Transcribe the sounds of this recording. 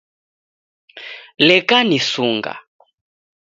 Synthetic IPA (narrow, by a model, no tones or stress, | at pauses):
lɛkanisuŋɡa̰